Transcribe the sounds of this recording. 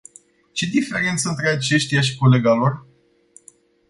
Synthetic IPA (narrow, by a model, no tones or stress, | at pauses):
t͡ʃe̞d̪ife̞ɾe̞nt̪səɨnt̪ɾe̞at͡ʃe̞ʃt̪ijaʃ̬i̥ko̞le̞ɡalo̞r